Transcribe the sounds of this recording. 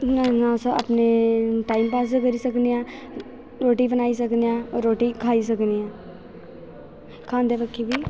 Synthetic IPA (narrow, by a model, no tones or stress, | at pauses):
nanãsoɐ̰pneʈaːɪmpaːs̬ekəɾisɐkniã | ɾoːʈibənaːis̬ɐkniãɔːɾːoːʈikʰaːis̬ɐkniãː | kʰãːnd̪epəkʰːibi